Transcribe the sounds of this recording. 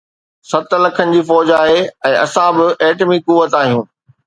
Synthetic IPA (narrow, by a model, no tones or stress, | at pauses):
sɐt̪lɐkʰənɪ̆d͡ʑiːfɔːd͡ʑaːɦeɛ̃ːʔɐ̰sãbɪeːʈmikuʋət̪aːɦijũː